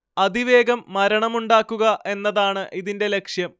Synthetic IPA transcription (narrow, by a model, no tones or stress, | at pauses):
ɐd̪iʋe̞ːɡɐmːɐɾɐɳɐmuɳɖaːkːuɣɐʔe̞nːɐðaːɳɨʔiðinde̞le̞kʂjɐm